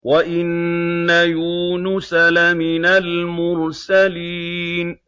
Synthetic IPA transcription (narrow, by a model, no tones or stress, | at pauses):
waʔɪnːajuːnʊsalamɪnalmʊɾsaliːn